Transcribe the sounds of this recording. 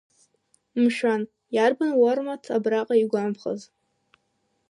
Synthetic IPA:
mʃan | jarbanwarmatʰabraqʼaiɡʷampʰχa̰z

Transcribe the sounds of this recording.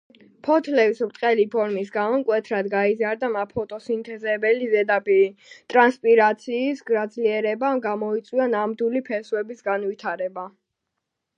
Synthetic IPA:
pʰɔt̪ʰlɛvisɾt̪ʼqʼɛlipʰɔɾmisɡamɔmkʼwɛt̪ʰɾad̪ɡaizaɾd̪amapʰɔt̪ʼɔsint̪ʰɛzɛbɛlizɛd̪apʼit̪ʼɾanspʼiɾat̪sʰiːsɡɾad̪zliɛɾɛbamɡamɔit̪sʼwianamd̪ulipʰɛswɛbisɡanwit̪ʰaɾɛba

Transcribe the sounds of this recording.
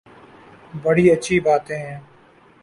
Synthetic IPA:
bəɽiːətːʃʰiːbaːt̪ẽːɦɛ̃ː

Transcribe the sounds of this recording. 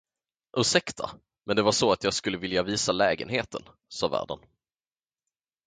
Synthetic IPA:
ʔɵːʂɛkt̪ʰa̰ | mʔɛnd̪ɛvaʂɔat̪jɑːɡskɵlːəvɪljaviːsalɛːɡə̰nheːt̪ʰə̰n | sɑ̰ːvæ̰ːɖə̰n

